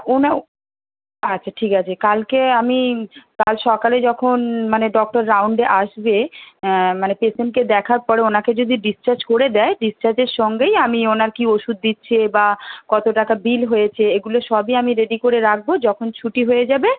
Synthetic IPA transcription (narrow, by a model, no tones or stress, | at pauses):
ona | atːɕʰaʈʰikat͡ɕʰekalkeamikalʃɔkaled͡ʑɔkʰonmaneɖɔk̚ʈoɾːawɳɖeʔaʃbe | manepesemked̪ɛkʰaɾpɔɾeonaked͡ʑod̪ʱiɖist͡ɕaɾd͡ʑkoɾed̪ɛeɖist͡ʃaɾd͡ʑeɾʃɔŋɡejamionaɾkioʃud̪̚ːitːɕʰebakɔt̪oʈakabilɦojet͡ɕʰeeɡuloʃɔbiamiɾeɖikoɾeɾak̚bod͡ʑɔkʰont͡ɕʰuʈiɦojed͡ʑabe